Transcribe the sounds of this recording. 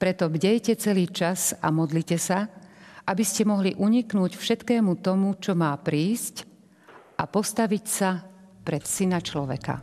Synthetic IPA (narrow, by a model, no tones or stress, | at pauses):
pɾɛt̪ɔbɟɛjcɛt͡sɛliːt͡ʃasa̰mɔd̪liːcɛsaʔabiscɛmɔɦliʔuɲiknuːcfʃɛt̪kɛːmut̪ɔmut͡ʃɔmaːpɾiːsc | ʔapɔst̪aʋicsa | pɾɛt̪sinat͡ʃlɔʋɛ̰ka̰